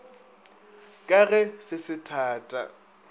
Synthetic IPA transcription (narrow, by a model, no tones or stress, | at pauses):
kʼaɣɛsɪsɪtʰaːtʼa̰